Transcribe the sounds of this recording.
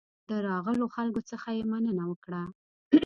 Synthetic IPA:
d̪əɾɑɣəloxalɡot͡səxajemanənawəkɽa

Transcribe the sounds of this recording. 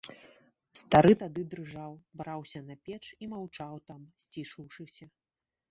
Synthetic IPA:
st̪aɾɨt̪ad̪ɨd̪ɾɨʐawbɾawsʲɐnɐpʲɛt͡ʂimawt͡ʂawt̪amsʲt͡sʲiʂɨwʂɨsʲɐ

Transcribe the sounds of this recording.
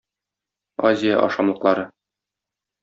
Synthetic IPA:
azʲɪja̰ʔɒ̰ʃɑmlˠɤ̆qlˠɑɾɤ

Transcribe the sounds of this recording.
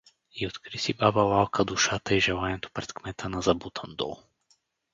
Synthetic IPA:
iot̪kɾisibabavalˠkʰad̪uʃat̪aiʒɛlˠanɛt̪o̥pɾɛt̪kmɛt̪ʰanazabut̪ʰand̪ɔ̰lˠ

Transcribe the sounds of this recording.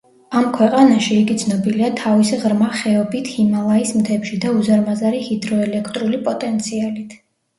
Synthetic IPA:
amkʰwɛqʼanaʃiːɡid̪sʰnɔbiliat̪ʰavisiʁɾmaχɛɔbit̪ʰhimalˠaismt̪ʰɛpʃid̪auzaɾmazaɾihid̪ɾɔɛlɛkʰt̪ʼɾulipʼɔt̪ʼɛnt̪sʰialit̪ʰ

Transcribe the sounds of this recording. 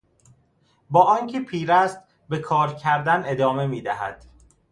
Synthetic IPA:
bɒːʔɒːncʰe̞pʰiːɾæst̪̚ | be̞kʰɒːɾcʰæɾd̪æne̞d̪ɒːme̞miːd̪æɦæ̰d̪̥

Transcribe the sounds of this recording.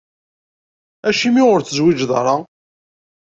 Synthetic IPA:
æʃimiʁʊɾθəzwid͡ʒðɾˤɑ

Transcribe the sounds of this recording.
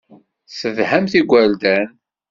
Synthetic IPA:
θəðhæmθiɡʷæld̪æn

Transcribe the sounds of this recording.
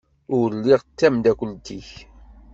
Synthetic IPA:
ʊɾɾlːiʁt̪ːæmd̪ækʷəlt̪iç

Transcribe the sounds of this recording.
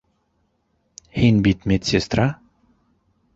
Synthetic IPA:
hinʲbit̪mʲet̪sʲest̪ɾa

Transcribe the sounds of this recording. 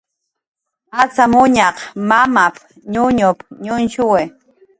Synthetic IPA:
at͡samʊɲɑqmamap̚ | ɲʊɲʊpɲʊnʃʊwe

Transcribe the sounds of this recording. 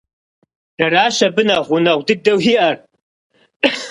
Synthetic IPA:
d̥ɐraːʃɐbɨnaʁʷʊnɐʁʷdɨɡ̚dɐwiʔɐr

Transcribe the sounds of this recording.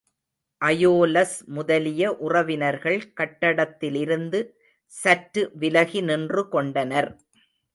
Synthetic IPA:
ʔɐjoːlɐsmʊðɐlɪjɐʔʊrɐʋɪnɐɾɣɐɭkɐʈːɐɽɐt̪ːɪlɪɾɯnd̪ɯ | sɐʈːɯʋɪlɐɣinɪndrɯkɔɳɖɐnɐɾ

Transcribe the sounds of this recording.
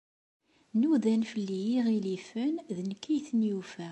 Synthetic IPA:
nuðænfəlːijiʁilifənðənkːijθənjufæ

